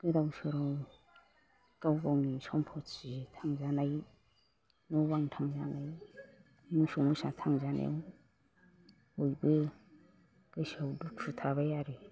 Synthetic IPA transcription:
ɡ̥ɯdawsɔɾɔ | kawɡawŋisɔmpʰɔsitʰaŋzanaj | nɔbaŋtʰaŋzanaj | musɔmusat̪ʰaŋzanʔḛw | ojbɯ | ɡ̥ɯsawdutʰutʰaβajaɾi

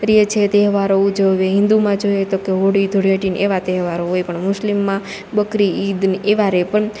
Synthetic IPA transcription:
ɾiet͡ʃʰet̪eɦʋaɾoud͡ʒəʋeɦɪ̃nd̪umãd͡ʒojet̪okeɦoɽid̪ʱoɽjəʈineʋat̪eɦʋaɾoojpəɳmʊslimːã | bəkɾiid̪neʋaɾepəɳ

